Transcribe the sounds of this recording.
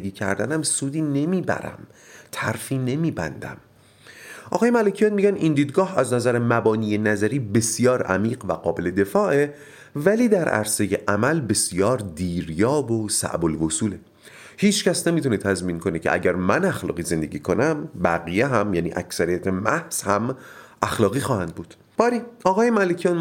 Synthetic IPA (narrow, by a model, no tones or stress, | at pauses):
ɡiːcʰæɾd̪ænæmsuːd̪iːne̞miːbæ̰ɾæ̰m | t̪ʰæɾfiːne̞miːbæ̰nd̪æ̰m | ʔɒ̰ːɣɒːjemælecʰijɒːt̪̚miːɟænind̪iːd̪ɡɒːhæznæzæɾemæbɒːniːje̞næzæɾiːbe̞sjɒːɾæ̰miːɢvæɢɒːbe̞le̞d̪e̞fɒːʔe | væliːd̪æɾʔæ̰ɾse̞je̞ʔæmælbe̞sjɒːɾd̪iːɾjɒːbosæ̰ʔbolvosuːle | hiːt͡ʃʰcæsnemit̪ʰunet̪ʰæzmiːnkʰone̞cʰe̞ʔæ̰ɟæɾmænæxlɒ̰ːɣiːze̞nd̪e̞ɡɟiːkʰo̞næmbæɣijeɦæmjæːniːʔækʰsæɾijæt̪ʰemæhz̥hæmʔæxlɒːɣiːxɒːhænd̪̚buːd̪̥ | b̥ɒːɾiːɒːɣɒːjemælecʰijɑːn